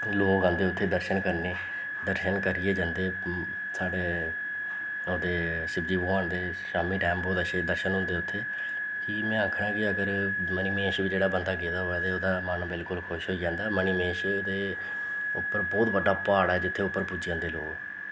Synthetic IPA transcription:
loːkãːnd̪eːʊt̪ʰːeːd̪əɾʃənkəɾneː | d̪əɾʃənkəɾɪeːd͡ʒãːnd̪eː | saːɖeː | oːd̪eː | sɪɡd̪iːbʊãːnd̪eː | saːmĩːʈɛːmboːt̪əʃed̪əɾʃənɦʊ̃nd̪eːʊt̪ʰːeː | kɪmɛ̃ːaːkʰɽãːkɪəɡəɾmənimeːʃʋiːd͡ʒeːɽaːbənd̪aːkeːd̪aːɦoːɛːt̪eːoːd̪aːmənbɪlkʊlkʰʊʃɦoːiːd͡ʒãːnd̪aːməniːmeːʃoːd̪eː | ʊ̰pːəɾbɔːt̪bəɖaːpaːɽɛːd͡ʒɪt̪ʰːeːʊpːəɾpʊd͡ʒjãːd̪eːloːk

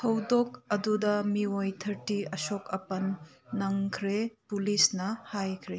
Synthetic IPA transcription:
tʰɐwdok̚ɐdudɐmiojt̪ʰɐɾtiɐsokɐpɐnː | ɐŋkʰɾepulisnɐhajkʰɾe

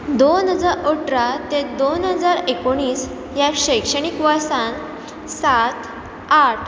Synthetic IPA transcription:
d̪onɦəd͡zaɾoʈɾat̪ed̪onɦəd͡zaɾekoɽ̃iːs | jaɾɕəjkʂəɽ̃ikʋaɾsãn | sat̪ʰ | aʈʰ

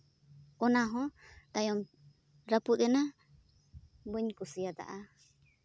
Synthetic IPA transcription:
ɔnaɦɔ̃t̪ajɔm | ɾapud̪ɛna | bəɲkusijad̪a̰ʔa

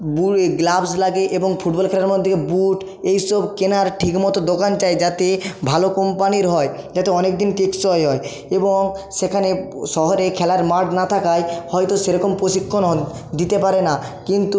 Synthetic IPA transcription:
bueɡlabslaɡeʔeboŋfʰuʈbɔlkʰɛlaɾmod̪ʱikebuʈ | ejsɔbkenaɾʈʰikmɔt̪od̪okant͡ɕaed͡ʑat̪ebʱalokɔmpaniɾɦɔe | d͡ʑat̪eɔnek̚d̪inteksɔeɦɔe | eboŋʃekʰaneʃɔɦoɾekʰɛlaɾmaɾʈnat̪ʰakajhɔjt̪oʃeɾɔkompɾoʃikʰːonɔd̪it̪epaɾenakint̪u

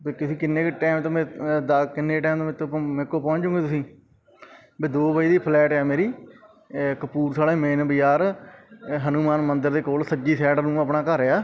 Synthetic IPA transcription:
beːkʊsĩːkɪnːeːkʈɛːmt̪õːmẽːd̪akɪnːeːʈɛːmt̪õːmẽːt̪ːomẽːkːoːpɔ̃ːɲt͡ʃʊ̃ːɡeːt̪ʊsĩː | beːd̪oːbaːiːd̪iːpʰlɛːʈɛːmeːɾiː | kəpuːɾsaːleːmeːnbɪjaːɾ | ɦənumaːnmənd̪əɾd̪eːkoːlsəd͡ʒiːsɛːɖəɾnũːəpnãːkəɾeaː

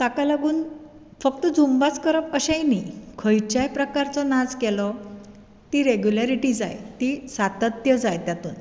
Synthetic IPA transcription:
t̪akalaɡuːn | fək̚t̪əd͡zumbat͡skəɾəpəɕajnikʰəjt͡ɕajpɾəkaɾt͡sɔnad͡zkɛlɔ | t̪iɾeɡjulaɾiʈiːd͡za̰jt̪isat̪ət̪jəd͡zajt̪jat̪ṵːn

